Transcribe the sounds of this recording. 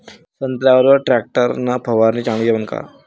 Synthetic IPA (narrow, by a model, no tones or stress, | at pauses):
sənt̪ljaʋəɾʋəɾʈɾæk̚ʈəɾnapʰəʋaɾniːt͡ɕãŋɡeʋənka̰